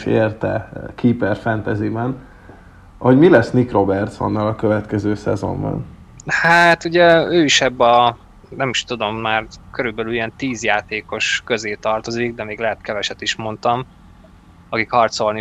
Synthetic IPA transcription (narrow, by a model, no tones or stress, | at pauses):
eːrt̪ɛ̰kʰiːpɛrfɛnt̪ɛzimɛn | hoɟmilɛsnikro̞bɛrt̪so̰nːɒlɒkøvɛt̪kɛzøːsɛ̰zo̞̰mbɒ̰n | hat̪uɟɛøːiʃɛbːɒ | nɛmiʃt̪ud̪o̞mːaːrkø̞ɾybɛlylijɛnt̪iːzjaːt̪eːko̞ʃkø̞zeːt̪ɒrt̪o̞ziɡ̚d̪ɛmeːɡlɛɦɛt̪kɛvɛʃɛt̪iʃmo̞nt̪ɒm | ɒkikhɒrt̪so̞lni